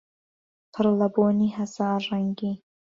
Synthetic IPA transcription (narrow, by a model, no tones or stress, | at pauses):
pʰɨɾlɐboːniːɦɐzɑːrɛŋɡiː